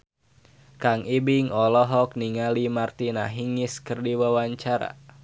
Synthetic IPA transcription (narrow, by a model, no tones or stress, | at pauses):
kaŋibiŋɔlɔɦɔk̚niŋalimart̪inaɦiŋiskərdiwawaɲt͡ʃaɾa̰